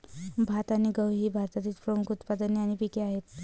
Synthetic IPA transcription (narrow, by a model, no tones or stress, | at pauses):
bʱat̪aniɡəwɦibʱaɾt̪at̪iːt͡spɾəmukʰut̪pad̪ənjaɽ̃ipikeaɦet̪